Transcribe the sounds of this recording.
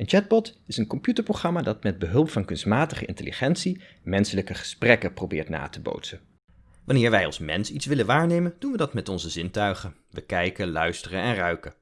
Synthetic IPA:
ənt͡ʃɛd̚bɔtɪsənkɔmpjytəɹproχrɑmaːdɑtmɛd̚bəɦɵlˠpfɑnkɵnstmaːtəχəɪ̰ntəlḭχɛntsi | mɛnsələkəχə̥sprɛkəprobɪːɹtna̰ːtəbo̰wtsən | ʋɑnɪːɹʋɛjɑ̰lˠsmɛ̰nsitsʋɪlənʋaːɹnejmənd̥unʋədɑtmɛtɔnzəzɪntœɥχən | ʋəkɛjkəlœɥstərənɛnrœɥkə

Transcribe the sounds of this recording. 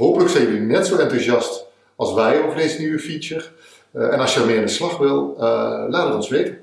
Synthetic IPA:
ɦoːpələksɛjəlinɛtsoɛntuzjɑst | ɑlˠsʋɛjoovərdeːzənyʋəfisər | ɛ̰nɑsjəəlˠmɪːɪndəslɑxʋɪlˠəlaːtətɔnsʋejtə

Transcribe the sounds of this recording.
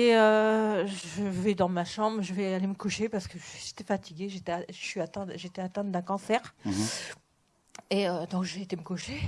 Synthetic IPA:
eøʒəvɛd̪ɑ̃maʃɑ̃bʁʒəvɛaaleməkuʃepaʁsə̥kəʃe̥t̪ɛfat̪iɡʲeʒet̪ɛaʒəʃɥiat̪ɛ̃ʒet̪ɛat̪ɛ̃t̪̚d̪ɛ̃kɑ̃sɛʁ | eød̪ɔ̃kʒəet̪eməkuʃe

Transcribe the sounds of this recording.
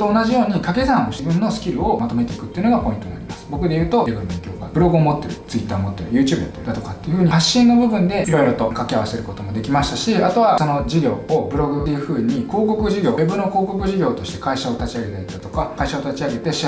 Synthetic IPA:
t̪oːnaʑijo̞ːɲ̟ikake̞zãɰ̃oɕbɯ̟̃nːo̞sɨ̥kʲiɾɯ̟o̞mat̪o̞me̞t̪e̞ikɯ̟t̪ːeiɯ̟noɡapo̞ĩnt̪o̞naɾʲiimasɨ̥bo̞kɯ̟d̪e̞jɯ̟ːt̪o̞eɡɯbẽŋkʲoːɡa̰b̥ɯ̟ɾo̞ɡɯomo̞t̪ːe̞ɾɯ̟t͡sɨit̪ːaːomo̞t̪ːe̞ɾɯ̟jɯ̟ːt͡ɕɯːbɯɯd̪at̪okat̪ːeiɯ̟ɸɯ̟ɲ̟ihaɕːĩnːo̞bɯ̟bɯ̟̃nd̪e̞iɾo̞iɾo̞t̪o̞kakʲiaβase̞ɾɯ̟ko̞t̪o̞mo̞d̪e̞kʲimaɕi̥t̪aɕiat̪o̞β̞aso̞no̞d͡ʑiɡʲo̞ːobɯ̟ɾo̞ɡɯ̟t̪ejɯ̟ɸɯ̟ːɲ̟iko̞ːko̞kɯ̟ʑiɡʲo̞̰ːebɯ̟no̞ko̞ːko̞kɯ̟ʑiɡʲo̞ːt̪o̞ɕi̥t̪e̞kaiɕao̞t̪at͡ɕiaɡe̞t̪aet̪at̪o̞kakaiɕao̞t̪at͡ɕiaɡe̞t̪e̞ɕia

